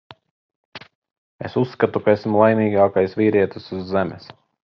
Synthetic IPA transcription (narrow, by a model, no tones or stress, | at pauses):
ḛsusːkat̪ukaesmulˠajmʲiːɡaːkajsvʲiːɾiɛt̪isuzːemʲɛs